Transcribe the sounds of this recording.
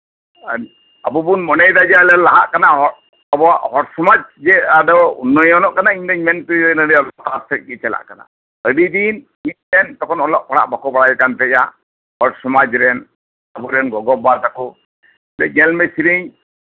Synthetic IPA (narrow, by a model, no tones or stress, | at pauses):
abubunmɔnɛjd̪ad͡ʒɛalɛlaɦa̰ʔkanaɦɔ | abɔaʔhɔɾsɔmad͡ʒd͡ʒɛaɖɔṵnːɔjɔnɔʔkanaiɲd̪ɛɲmɛnpudɛnəɖiɔlɔʔt̪aɾsɛt̪̚kit͡ʃɛla̰ʔkana̰ | əɖid̪in | it̪̚ˀɾɛnt̪ɔkɔnɔlɔʔpaɽa̰ʔbakɔbaɽajɛkant̪ɛja | hɔɾsɔmad͡ʒɾɛn | abuɾɛnɡɔɡɔbat̪aku | lɛɲɛlmɛsiɾiɲ